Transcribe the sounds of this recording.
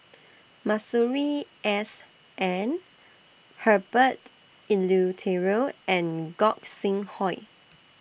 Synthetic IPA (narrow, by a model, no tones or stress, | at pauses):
masuɹiʔɛs | ʔɛ̃n | həbət | ilutʰɛɹoʔɛ̃nɡɔk̚sĩŋhɔɪ